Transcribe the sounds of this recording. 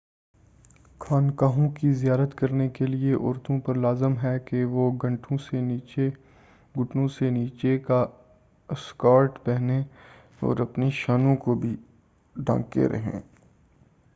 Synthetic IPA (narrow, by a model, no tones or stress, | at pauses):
kʰaːnkaːɦõkizijaːɾət̪kɐɾnekelieʔɔːɾt̪õpɐɾlaːzəmɦɛkeʋoɡɐ̃ɳʈʰõseniːt͡ʃe | ɡʊʈnõseniːt͡ʃeka | skaːɾʈpɛɦnẽ | ɔ̰ːɾɐpniʃaːnõkobʱi | ɖʱã̰ːkḛɾɐ̰ɦḛ̃ː